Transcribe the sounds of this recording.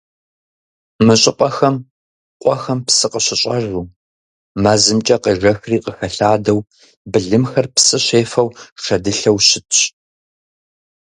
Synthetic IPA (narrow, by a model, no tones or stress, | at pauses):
mɨɕʼɪqʷʼɐxɐm | qʷʼɔxɐmpsɨqəɕɪɕʼɐʒuː | maːzɨmt͡ʃʼɐqiːʐɐxriːqəxɐɬaːdɐw | bɨɮɨmxɐrpsɨɕeːfɐwʂɐdɨɬɐwɕɪtʰɕ